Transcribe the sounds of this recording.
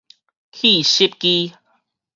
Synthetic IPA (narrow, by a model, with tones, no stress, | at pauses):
kʰi˥˧˨ɕi˦˥p̚ki˦